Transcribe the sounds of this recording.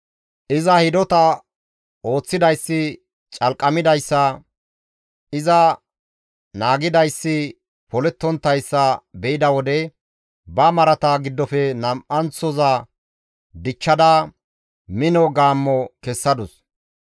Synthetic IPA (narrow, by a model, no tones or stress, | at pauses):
ʔɪzɐhɪd̪ɔt̪ɐ | o̞ːt͡sːɪd̪ɐjsːɪ | t͡ʃʼɐlkʼːɐmɪd̪ɐjsːɐ | ɪzɐ | naːɡɪd̪ɐjsːɪ | pɔlɛt̪ːɔnt̪ːɐjsːɐbɛʔɪd̪ɐwɔd̪ɛ | bɐmɐɾɐt̪aɡɪd̪ːɔfɛnɐmʔɐnt͡sːɔzɐ | d̪ɪt͡ʃːɐd̪ɐ | mɪnɔɡaːmːɔkɛsːɐd̪ʊs